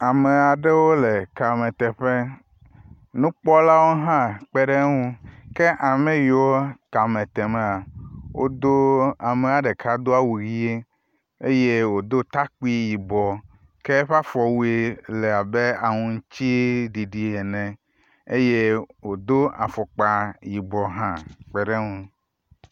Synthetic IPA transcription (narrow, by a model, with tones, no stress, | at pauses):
a˨me˨a˨ɖe˦wo˦le˨ka˨mẽ˨t̪ɛ˨ɸe˦ | nũ˦k͡pɔ˦la˦wo˦ɦã˦k͡pe˦ɖe˦ŋũ˦ke˦ʔa˨mẽ˦jo˨˦o˦ka˨mẽ˨t̪e˨me˨a˨wo˦d̪o˦a˨me˨a˨ɖe˨kʰa˦d̪o˦a˦wu˨ɣi˦e˦ | e˦je˦wo˨d̪o˦t̪a˦k͡pi˦ji˨bɔ˨ | ke˦ɸa˦fɔ˨wu˦e˨le˨a˨be˦a˨ŋũ˨ŋ˦t͡ɕi˦ɖi˨ɖi˨e˨nɛ̃˨ | e˦je˦wo˨d̪o˦a˨fɔ˨k͡pa˨ji˨bɔ˨ɦã˦k͡pɛ˦ɖe˦ŋũ˦